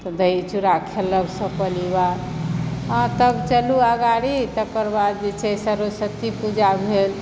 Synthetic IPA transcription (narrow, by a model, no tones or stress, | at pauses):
t̪ɔd̪əjt͡ʃuɾakʰelːəbsə̃pəliwaɾ | ãt̪əbt͡ʃəluəɡaɽit̪əkəɾbad͡ʒet͡ʃʰɛsəɾosət̪ipud͡ʒabʱel